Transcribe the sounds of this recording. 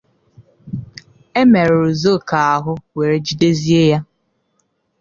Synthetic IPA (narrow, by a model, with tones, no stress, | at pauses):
e˦me˨ɾɾʊ˨zo˦˨ka˨a˨ɦʊ˦we˨ɾe˨d͡ʒi˦de˦zi˦e˦ja˦